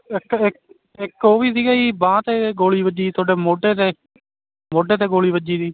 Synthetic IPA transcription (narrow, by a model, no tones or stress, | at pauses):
ɪkɪk | ɪkoːʋiːsiːɡaːiːbãːt̪eːɡoːliːbəd͡ʒiːt̪ʰʊoːɖeːmoːɖeːt̪eː | moːɖeːt̪eːɡoːliːbəd͡ʒiːd̪iː